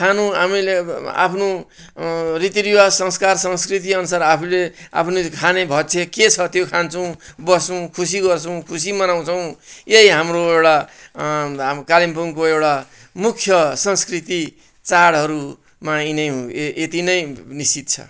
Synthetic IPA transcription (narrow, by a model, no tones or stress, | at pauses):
kʰanũɦamilea̰pʰno | rit̪iɾiwasʌ̃ŋskarsʌŋskrit̪̬iʌnusaɾapʰulea̰pʰnokʰanebʱʌt͡sʰeket͡sʰʌt̪jokʰant͡sʰʌw̃bʌsũkʰus̬iɡʌrt͡sʰʌw̃kʰusimʌnaw̃t͡sʰʌw̃jeɦiɦamroewʈa | kalimpuŋkoewʈa | mukʰjʌsʌŋskrit̪i | t͡saɽɦʌɾu | mainʌjɦũet̪inʌjnist͡sit̪̚t͡sʰʌ̰